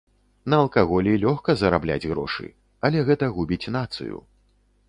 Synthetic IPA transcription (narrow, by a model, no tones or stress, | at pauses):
nɐɐlˠkaɣɔlʲilʲɔxkɐzɐɾablʲa̰d͡zʲɣɾɔ̰ʂɨ̰ | ɐlʲɛɣɛt̪ɐɣubʲit͡sʲnat̪sɨ̰jṵ